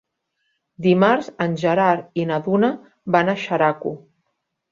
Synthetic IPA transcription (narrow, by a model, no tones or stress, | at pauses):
d̪imaɾzənʲʒəɾaɾinaðuna | βanaʃaɾakṵ